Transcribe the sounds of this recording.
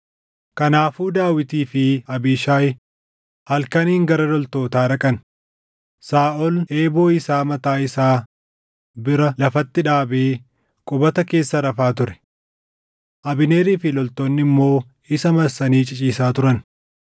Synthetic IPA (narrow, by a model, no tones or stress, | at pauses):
kɐnaːfuːd̪aːwɪt̪iːfɪɐbiːʃaːj | hɐlkɐniːŋɡɐɾɐlɔlt̪o̞ːt̪aːᶑɐkʼɐn | saːʔɔle̞ːbo̞ːɪsaːmɐt̪aːɪsaː | bɪɾɐlɐfɐt̪ːɪᶑaːbeː | kʼʊbɐt̪ɐke̞ːsːɐɾɐfaːt̪ʊɾɛ̥ | ʔɐbɪne̞ːɾiːfɪlɔlt̪oːnːɪmːo̞ː | ɪsɐmɐɾsɐniːt͡ʃʼɪt͡ʃʼiːsaːt̪ʊɾɐn